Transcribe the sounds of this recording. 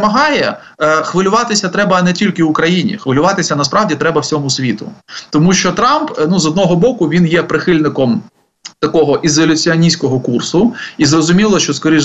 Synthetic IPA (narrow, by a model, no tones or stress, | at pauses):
mɐɦɑjɛ | xʋɪlʲʊʋɑt̪ɪsʲɐt̪ɾɛbɐːnɛtʲilʲkɪʊkɾɐjinʲḭxʋɪlʲʊʋɑt̪ɪsʲɐnɐspɾɑwdʲit̪ɾɛbɐwt͡sʲɔmʊsʲʋʲit̪ʊ̰t̪ɔmuʃt͡ʃɔt̪ɾɑmpnuzɔd̪nɔɦɔbɔkʊʋʲinjɛpɾɪxɪlʲnɪkɔm | t̪ɐkɔɦɔʔɪzɔlʲʊt͡sʲiɐnʲisʲkɔɦɔkursʊizrɔzʊmʲilˠɔʃt͡ʃɔskɔɾʲiʒ